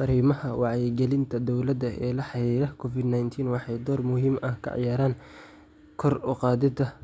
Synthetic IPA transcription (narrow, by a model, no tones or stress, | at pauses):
ɐɾiːmɐhɐwɑʕjɛɡɛlɪnt̪ʰɐd̪ɔwlɐd̪ɐʔɛ̰ːlɐħɑɾiːɾɐkʰɔfɪd̪najnt̪ʰiːnwɑħɑjd̪ɔːrmʊhiːmʔɐhkʰɐ̰ʕɑ̰jaːɾaːn | kʰɔrʊqɑːðɪd̪ɐ